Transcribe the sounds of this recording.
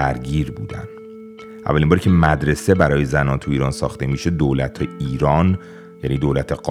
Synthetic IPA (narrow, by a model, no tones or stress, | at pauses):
æɾɟiːɾbuːd̪æ̰n | ʔæ̰vːælimbɒːɾicʰe̞mæd̪ɾe̞se̞bæɾɒːjezænɒːnt̪ʰuiːɾɒːnsɒ̰ːxt̪e̞miːʃe̞d̪oːlæt̪ʰeiːɾɒːn | jæniːd̪oːlæt̪ʰe̞ɢɒ